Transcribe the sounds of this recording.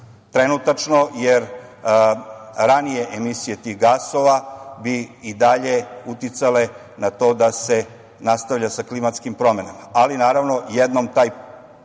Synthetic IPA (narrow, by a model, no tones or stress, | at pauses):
t̪ɾenut̪at͡ʃnojeɾ | ɾanijeʔemisije̞t̪iɣɡaso̞ʋabiːd̪aʎe̞ut̪it̪sale̞ | nat̪o̞ːd̪ase̞ | nast̪aʋʎasaklimat̪skimpɾo̞menamaalinaːɾaʋno̞jed̪nomt̪aːj